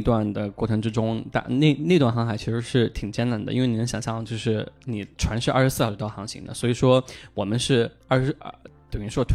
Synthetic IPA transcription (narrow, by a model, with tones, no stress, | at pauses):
t̪wa˥˩nd̪ə˩kwɔ̰˥˩ʈ͡ʂʰɤ˧˥ŋʈ͡ʂɻ̩˥ʈ͡ʂʊ˥ŋt̪a̰˥˧ne˥˧ɪn˥˧wa˥˩nxɑ˥ŋxa˨˩ɪt͡ɕʰi˧˥ʂɻ̩˧˥ʂɻ̩˥˩t̪ʰi˨˩ŋt͡ɕjɛ˥na˧˥nd̪ə̰˧i˥wni˨˩nə˧˥ɕjɑ˨˩ŋɕjɑ˥˧ŋt͡ɕjo˥˧ʊʂɻ̩˥˩ni˨˩ʈ͡ʂʰwa˧˥nʂɻ̩˥˧ʔʂɻ̩˧˥sɹ̩˥˧˥o˧˥t̪xɑ˧˥ŋɕḭ˧˥ŋd̪ə̰˩swɔ˧˥i˨˩ʂwɔ˥wɔ˨˩mə˦nʂɻ̩˥˩˥ | ʂt̪o˨˩n˧˥ʂwɔ˥˩t̪ʰ